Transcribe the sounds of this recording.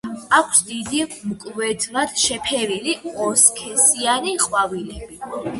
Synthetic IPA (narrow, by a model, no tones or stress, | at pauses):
akʷʰsd̪id̪imkʼvɛd̪ɾad̪̥ʃɛpʰɛɾiliɔskʰɛsianiqʼwavilɛbi